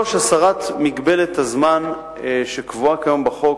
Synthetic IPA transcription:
oʃasaʁatmiɡbe̞let̪hazman | ʃekvuakajombaχo̞k

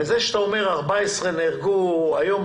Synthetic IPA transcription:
ezeʃet̪aomeʁaʁbaesʁeneʁɡuajom

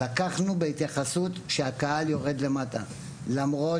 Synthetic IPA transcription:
akaχnubeit̪jaχasut̪ʃe̞akahaljo̞ʁe̞d̪le̞mata | lamʁo̞

